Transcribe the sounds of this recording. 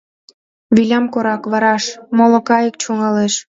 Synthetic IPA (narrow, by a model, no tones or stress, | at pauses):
βilʲɑmkoɾɑkβɑɾɑʃmolŏkɑjək̚t͡ɕuŋɑleʃ